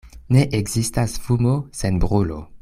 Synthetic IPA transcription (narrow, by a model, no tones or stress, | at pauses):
neʔeɡzistasfumosenbʁulo̰